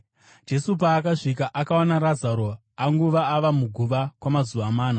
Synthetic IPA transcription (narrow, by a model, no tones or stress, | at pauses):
d͡ʒe̞sup̬aːkaʂikaʔakawonaɾad͡zaɾo̞ | aŋɡuʋaaʋamuɡʱuʋakwamazuʋamaːna